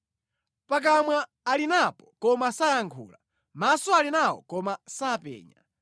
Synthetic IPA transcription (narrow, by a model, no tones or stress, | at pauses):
pak̬amwaː | linapɔkɔmasajaŋkʰṵːla | masɔalinawɔ̰kɔmasaːpɛ̰ːɲa̰